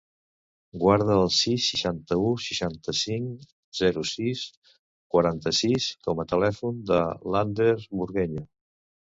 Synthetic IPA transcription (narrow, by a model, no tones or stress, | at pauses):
ɡwaɾð̞əːlˠsisːiʃant̪əusəʃant̪əsiŋ | z̥ɛɾusis | kwəɾant̪əsiskɔmət̪əlɛfund̪əland̪eɾzβuɾɣɛʎə